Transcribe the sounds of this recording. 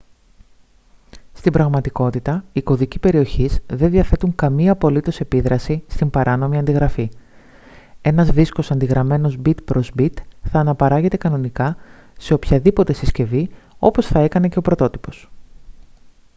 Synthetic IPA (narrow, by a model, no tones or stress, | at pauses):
st̪imbɾɐɣmɐt̪iko̞t̪it̪ɐiko̞ðicipe̞ɾio̞çizðe̞nðiɐθe̞t̪uŋkɐmiɐːpo̞lit̪o̞se̞piðɾɐsist̪imbɐɾʔɐno̞miɐnd̪iɣɾɐfi | e̞nɐzðisko̞sɐnd̪iɣɾɐme̞no̞zbit̪pɾo̞zbit̪θɐːnɐpɐɾɐʝe̞t̪e̞kɐno̞nikɐ | se̞opçɐðipo̞t̪e̞sisce̞vio̞po̞sθɐe̞kɐne̞ce̞o̞pɾo̞t̪o̞t̪i̥po̞̥s